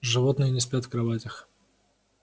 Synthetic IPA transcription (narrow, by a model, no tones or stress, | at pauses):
ʐɨvot̪nɨjənʲɪspʲat̪kɾɐvatʲɪx